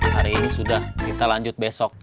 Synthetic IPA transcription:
haɾiːnisudahkit̪alaɲd͡ʒʊt̪̚besɔk̚

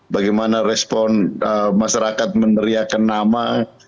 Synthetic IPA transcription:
baɡajmanaɾɛspɔnəmaʃaɾakat̪̚mənəɾiakanːama

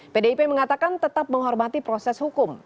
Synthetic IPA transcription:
pedeipeməŋat̪akant̪ət̪ap̚məŋɦɔrmat̪ipɾosɛshukʊm

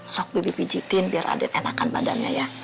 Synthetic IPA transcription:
sɔk̚bibipid͡ʒit̪ɪnbiara̰dɛnenakanba̰da̰nɲaja

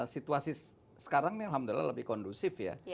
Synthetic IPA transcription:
sit̪uasi | sə̥kaɾaŋnialɦamd̪ulila̰ləbɪhkɔndusɪfja̰

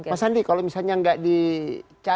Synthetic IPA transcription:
masandikalomisalɲaŋɡaʔdit͡ʃa

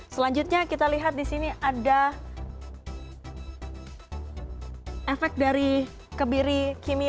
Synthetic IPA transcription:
səlaɲd͡ʒut̪̚ɲakit̪aliɦat̪̚disiniʔada | efɛk̚daɾi | kəbiɾikimi

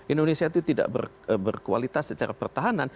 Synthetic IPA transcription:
ʔindonesiat̪ut̪ida̰ʔbə̰r | bərkua̰lit̪asːət͡ʃaɾa̰pərt̪aɦanan

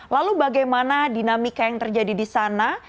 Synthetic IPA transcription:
lalubaɡajmanadinamikajaŋt̪ərd͡ʒadidisana

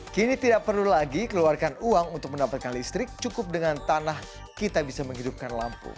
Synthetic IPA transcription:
kinit̪idak̚pərlulaɡikəluarkanuaŋunt̪ʊk̚məndapat̪̚kanlist̪ɾɪk̚t͡ʃukʊp̚dəŋant̪anah | kit̪abisaməŋɦidup̚kanla̰mpṵ

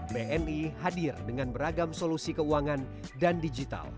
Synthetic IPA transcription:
beʔɛnihadɪrdəŋanbəɾaɡamsolusikəuaŋan | dandid͡ʒit̪a̰l

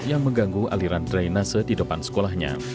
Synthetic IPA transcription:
jaŋməŋɡaŋɡua̰liɾant̪ɾajnasədidəpansə̥kolaɦhɲa̰

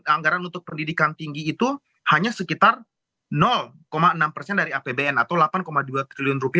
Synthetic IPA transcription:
aŋɡaɾanunt̪ʊk̚pəndidikant̪iŋɡiːt̪u | haɲasəkit̪ar | nɔl | komaənampərsɛndaɾiapebeɛnat̪awlapankomaduat̪ɾiliʊnrupia

